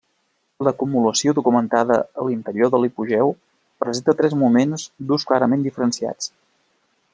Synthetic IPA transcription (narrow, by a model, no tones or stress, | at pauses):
ləkumuləsioðukumənt̪aðəəlint̪əɾioðəlipuʒɛw | pɾəzent̪ət̪ɾɛzmumenzd̪usklaɾəmend̪ifəɾənsia̰t͡s